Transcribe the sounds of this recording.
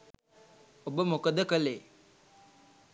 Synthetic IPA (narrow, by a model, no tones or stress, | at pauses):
obəmokəd̪əkəle